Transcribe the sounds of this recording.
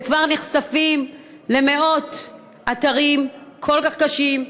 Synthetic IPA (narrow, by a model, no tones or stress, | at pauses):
kvaʁneχsafim | le̞me̞o̞t | ʔataʁimkʰo̞lkaχkaʃim